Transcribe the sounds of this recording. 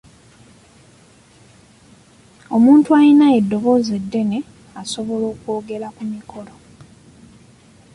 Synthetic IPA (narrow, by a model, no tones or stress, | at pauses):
o̞muːntuajinae̞dːo̞βo̞ze̞dːe̞ne̞ | aso̞βo̞lo̞ːkwoːɡe̞lakumikʰo̞lo